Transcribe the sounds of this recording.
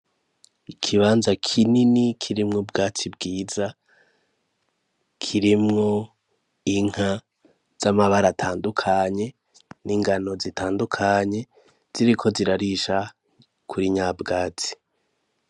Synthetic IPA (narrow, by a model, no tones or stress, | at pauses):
ikʰiβaːnzakʰininikʰiɾimŋob̚ɡaːt͡sibɡiːza | kʰiɾimŋo̞ | iŋ̥ha | z̥amaβaɾatʰaːndukʰaɲe̞ | niːŋɡano̞zitʰaːndukʰaɲe̞ | z̥iɾikʰo̞ziɾaɾiʃa | kʰuɾiɲaːbɡaːt͡si̥